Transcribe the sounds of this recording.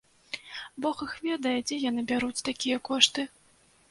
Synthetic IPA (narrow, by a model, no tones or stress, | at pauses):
bɔxɨxvʲɛd̪ɐjɛd͡zʲɛjanɨbʲaɾut͡sʲt̪akʲijɐkɔʂt̪ɨ